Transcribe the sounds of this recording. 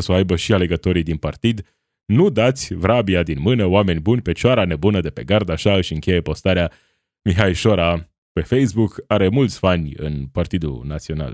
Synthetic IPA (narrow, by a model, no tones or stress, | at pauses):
soajbəʃiale̞ɡət̪o̞ɾid̪inpart̪id̪ | nud̪at̪sʲvɾabiad̪inmɨnəoame̞nʲbunʲpe̞t͡ʃaɾane̞bunəd̪e̞pe̞̰ɡard̪aʃaɨʃɨŋkʲe̞je̞po̞st̪aɾea | miɦajʃo̞ɾa | pe̞fejsbukaɾe̞mult̪sʲfanʲɨ̰npart̪id̪ṵnat̪sio̞na̰l